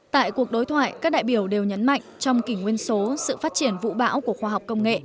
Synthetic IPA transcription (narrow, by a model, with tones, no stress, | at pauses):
t̪a̰ː˧˨jku˨˩ək̚ɗo˨˦jt̪ʰwaː˧˨jkaː˦˥k̚ɗa̰ː˧˨jɓi˧˩əwɗe˨˩wɲə˨˦nma̰˧˨jŋ̟t͡ɕɔ˧wŋ͡mkï˧˩ŋŋwi˧ənso˨˦sɨ̰˧˨faː˦˥t̚t͡ɕi˧˩ənvṵ˧˥ɓa̰ː˧˥wku˧˩əxwaː˧ɦa˨˩wk͡p̚kə˧wŋ͡mŋḛ˧˨